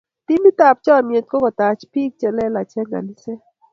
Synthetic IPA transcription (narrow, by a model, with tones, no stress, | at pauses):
t̪i˦mi˦t̪a˨p̚t͡ʃɔ˦mje˨t̪̚kɔ˦ɡɔ˨t̪a˨t͡ʃpi˦k̚t͡ʃɛ˦˨lɛ˦la˨t͡ʃɛ˦ɡa̰˨ni˦se˦